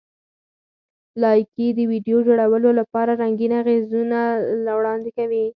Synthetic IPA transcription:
lɑjkid̪əwiɖjod͡ʒoɽawəlolapɑɾaɾaŋɡinaɣezunalawɽɑnd̪ɪkawi

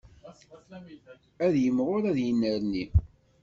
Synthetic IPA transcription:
æðjəmːʁʊɾæðjənːəɾni

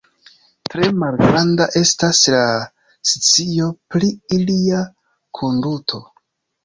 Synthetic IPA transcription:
tɾe̞malɡɾandaʔe̞stasla | si̥t͡sijo̞pliilia | kʰondutʰo̞

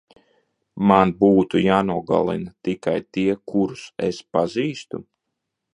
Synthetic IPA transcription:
manbuːt̪ujaːnuɔɡa̰lˠḭnat̪ikajt̪iɛkuɾusɛspaziːst̪u

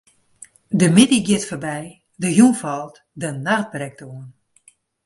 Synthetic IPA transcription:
dəmɪdiɡjɪtfərbɛj | dəjunfɔlˠt | dənart̚brɛk̚toən

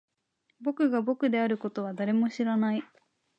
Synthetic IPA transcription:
bo̞kɯ̟ɡabo̞kɯ̟d̪e̞aɾɯ̟ko̞t̪o̞β̞ad̪aɾe̞mo̞ɕiɾanai

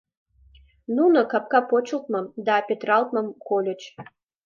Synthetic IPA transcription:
nunokɑp̚kɑpot͡ɕə̆lt̪̚mɤ̆md̪ɑpʲet̪rɑlˠt̪mɤ̆mkolʲŏt͡ɕ

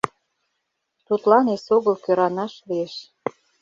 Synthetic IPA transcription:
t̪ut̪lɑnesoɣəlkøɾɑnɑʃlieʃ

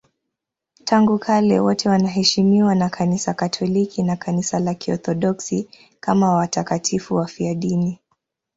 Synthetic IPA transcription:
tʰaŋɡukʰalɛ̰wɔtʰɛwanaɦɛʃimiwanakʰanisakatʰɔlikʰinakʰanisalakiɔ̰θɔɗɔksi | kamawatakatʰifuwafiaɗini

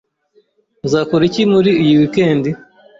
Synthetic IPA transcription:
nzaːkoɾicimuɾiujiwikeːndi

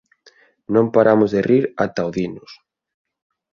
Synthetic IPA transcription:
nõmpaɾʔamʊzðeriɾat̪awðinʊs

